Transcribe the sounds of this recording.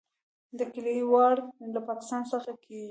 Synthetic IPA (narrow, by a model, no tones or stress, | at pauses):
d̪əkɪlewɑɽlapɑkɪ̥st̪ɑnsəxakʰeɡi